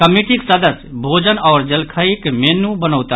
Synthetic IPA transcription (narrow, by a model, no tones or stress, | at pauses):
kəmiʈiksəd̪əsbʱoːd͡ʒənɔːɾd͡ʒəlkʰaikmɛːnũːbənəːt̪a